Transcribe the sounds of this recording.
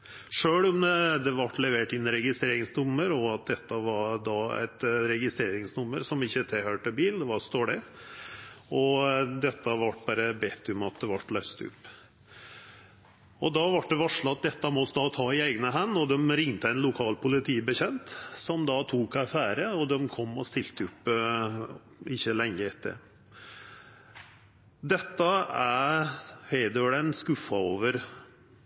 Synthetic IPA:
ʂøːɽɔmd̪ɛʋɑʈːlɛʋeːʈɪnːɾɛɡɪst̪ɾeːɾɪŋsnʊmːəɾɔɑt̪̚d̪ɛt̪ːəʋɑɖ̪ɑæ̰ɪt̪ɾɛɡɪst̪ɾeːɾɪŋsnʊmːəɾsɔmɪçːət̪ʰɛhøːʈəbiːlnd̪ɛʋɑɾst̪oːɖɛ | ɔd̪ɛt̪ːəʋɑʈːbɑːɾəbet̪ʰːʉmɑt̪̚d̪ɛʋɑʈːlœʏst̪ʉ̰pː | ɔd̪ɑʋɑʈ̚d̪ɛʋɑʂɭɑɑt̪̚d̪ɛt̪ːɑmɔsd̪ɑːt̪ʰɑːɪæɪɡnəɦɛnːɔd̪ɛmɾɪŋt̪əɛɪnlʊkʰɑːlpʊlɪt̪ʰiːbəçɛnt̪sɔmd̪ɑt̪ʰuːkɑfæːɾəɔd̪ɛmkʰɔmːɔst̪ɪlt̪əʉpː | ɪçːəlɛŋːəɛt̪ʰːə̰ɾ | d̪ɛt̪ːɑæ | heɪd̪ɽɛnskʉfːɑoːʋəɾ

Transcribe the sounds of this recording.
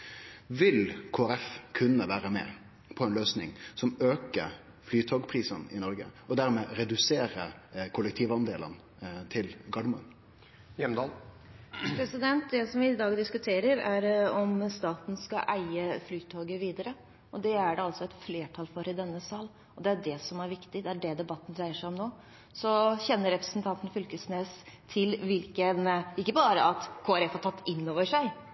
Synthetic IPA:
ʋɪlkʰoːæɾɛfkʰʉnːəʋæːɾəmɛ̰ | pʰɔɛnløːsnɪ̰ŋsɔmøːkəɾ | flyːt̪ʰoːɡpʰɾiːsənɪnɔɾɡə̰ɔd̪æɾmɛːɾɛd̪ʉseːɾə̰kʰʊlːəkt̪ʰiːʋɑnd̪eːlə̰n | t̪ʰɪlɡɑɖmʊə̰n | jɛmd̪ɑːl | pʰɾɛsɪd̪ɛnt̪̚d̪ɛsɔmʋɪːd̪ɑːɡd̪ɪskʉt̪ʰeːɾəɾæɾɔmst̪ɑːt̪n̩skɑʔæɪəflyːt̪ʰːoːɡəʋiːd̪əɾə | ɔd̪ɛæɖɛɑltsɔɛt̪fleːʈʰɑlfɔɾɪd̪ɛnːəsɑːl | ɔd̪ɛæɖɛsɔmæɾʋɪkt̪ɪd̪ɛæɖɛd̪ɛbɑt̪ːn̩ɾæɪəʂæɪɔmnoː | sɔçɛnːəɾɛpɾəsnt̪ʰɑnt̪ən̩fʏlkəsneːst̪ʰɪlʋɪlkənɪkːəbɑːɾəʔɑt̪kʰoːæɾɛfhɑʈʰɑt̪ːɪnːoːʋəʂæɪ

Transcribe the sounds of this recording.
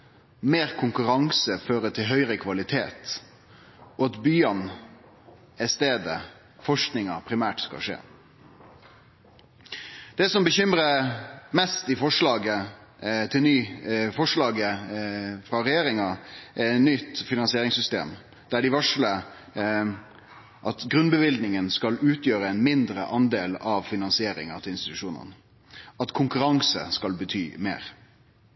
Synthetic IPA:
meːɾkʰʊŋkʉɾɑŋsəføːɾət̪ʰɪlɦœʏɾəkʰʋɑlɪt̪ʰḛːt̪ | ʔɔɑt̪byːɑn | ɛst̪eːd̪ə̰ | fɔʂknɪŋɑpʰɾɪmæːʈskɑ̰ʂḛː | d̪̥ɛsɔmbəçʏmɾəmɛst̪ɪfɔʂlɑːɡə | t̪ʰɪlnyːfɔʂɭɑːɡə | fɾɑɾɛjeːɾɪŋɑʔæɛnʏt̪ːfɪnɑnsɪeːɾɪŋsʏst̪ḛːm | d̪̥æɖɪʋɑʂlə | ʔɑt̪ɡɾʉnbəʋɪld̪nɪŋənskɑlʉːt̪jøːɾəɛnmɪnd̪ɾə̰ʔɑnd̪eːlɑʋfɪnɑnsɪeːɾɪ̰ŋɑ̰t̪ʰɪlɪnst̪ɪt̪ʉʂuːnə̰n | ɑt̪kʰʊŋkʉɾɑŋsə̰skɑlbət̪ʰy̰ːmḛːɾ

